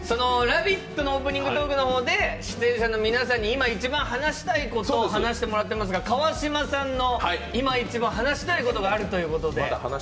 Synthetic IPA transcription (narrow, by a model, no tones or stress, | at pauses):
so̞no̞ɾabʲit̪ːonooːp̬ɯ̟ɲ̟ĩŋɡɯ̟t̪oːkɯ̟no̞ho̞ːd̪e̞ɕi̥t̪ẽ̞ɰ̃ɕano̞mʲinasãɲ̟ːiːmait͡ɕibãɰ̃hanaɕi̥t̪aiko̞t̪oːhanaɕi̥t̪e̞mo̞ɾat̪ːe̞mas̬ɨɡakaβaɕimasãnːo̞haiimait͡ɕibãɦanaɕi̥t̪aiko̞t̪o̞ɡaːɾɯ̟t̪o̞jɯ̟ːko̞t̪o̞d̪ḛha̰na